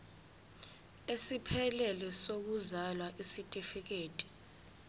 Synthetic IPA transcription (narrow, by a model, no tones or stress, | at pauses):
esipʰɛlɛlɛsok̬uzalwaʔisitʼifik̬eːtʼi̥